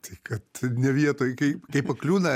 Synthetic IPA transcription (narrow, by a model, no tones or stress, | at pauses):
t̪ɐɪkɐt̪nʲɛʋʲiɛt̪oːjkɐɪkɐɪppɐklʲuːnɐ